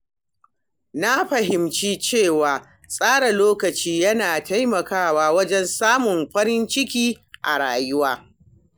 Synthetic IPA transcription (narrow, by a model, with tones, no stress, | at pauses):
na˦ɸɐ˨ɦɪ˨mt͡ʃiː˦t͡ʃeː˦˨waː˨ | sʼaː˦ɽa˨loː˦kɐ˨t͡ʃiː˦jɐ˦naː˨ta˦jmɐ˨kaː˦˨waː˦wɐ˦d͡ʒɛ˦nsaː˦mʊ˨mɸɐ˦ɽɪ˦nt͡ʃɪ˦kʲiː˦ | ʔa̰˨ɽa̰ː˨jʊ˦waː˦